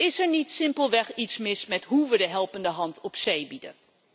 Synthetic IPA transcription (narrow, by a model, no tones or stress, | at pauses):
ɪsɛɹnitsɪmpəlˠʋɛχitsmɪsmɛtɦuʋədəɦɛlˠpəndəɦɑntɔpsejbidə̰n